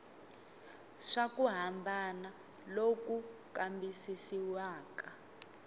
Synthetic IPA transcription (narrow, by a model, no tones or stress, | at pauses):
ʂakuɦambʱana | lokukambisisiwaːka